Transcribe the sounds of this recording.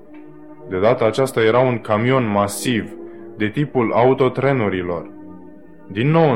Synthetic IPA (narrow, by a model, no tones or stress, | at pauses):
d̪e̞d̪at̪əat͡ʃast̪aje̞ɾauŋkamio̞nmasiv | d̪e̞t̪ipulaut̪o̞t̪ɾe̞nuɾilo̞̰r | d̪inːo̞w